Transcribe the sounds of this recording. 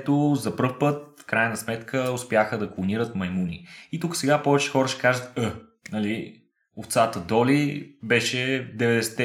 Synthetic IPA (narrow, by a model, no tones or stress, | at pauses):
t̪ozɐpɤfpɤt̪̚fkɾajnɐsmɛt̪kʰəʊspjaxəd̪ɐklˠoniɾət̪mɐjmunḭit̪ukə̥sɛɡapɔvɛt͡ʃɛ̥xɔɾəʃɛ̥kaʒət̪ə | nɐli | oft̪sat̪əd̪ɔlibɛʃɛd̪ɛvɛd̪ɛsɛ̥t̪ɛ